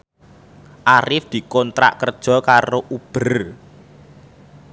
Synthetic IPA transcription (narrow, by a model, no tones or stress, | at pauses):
ʔaɾɪfd̪̥i̤kɔnt̪ɾa̰ʔkərd̥ʒ̥ɔ̤kaɾoʔub̥ə̤r